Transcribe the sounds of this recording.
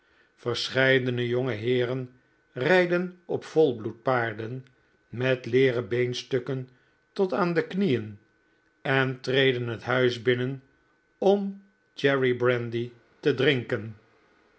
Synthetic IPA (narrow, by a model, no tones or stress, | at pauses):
fəɹsχɛjdənəjoŋəɦɪːrən | rɛjdənɔpfɔlˠblut̚paːɹdən | mɛtleːrəbejnstøkən | tɔtaːndəknijən | ɛntrejdənɦətɦœɥzbɪnən | ɔm | d͡ʒɛɹibrɛndi | tədrɪŋkən